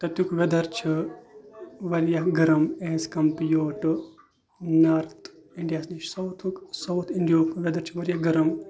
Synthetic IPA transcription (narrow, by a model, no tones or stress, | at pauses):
t̪ɐt̪jukʋed̪ɐɾt͡ʃʰi | ʋɐɾjɐɦɡɐɾɐmeɦskɐmpijoːʈɨ | naɾt̪ʰ | iɳɖijaːsnit͡ʃsɐwt̪ʰuksɐwt̪ʰiɳɖijoːkʋʲed̪ɐɾt͡ʃʰiʋɐɾjaɡɐɾɐm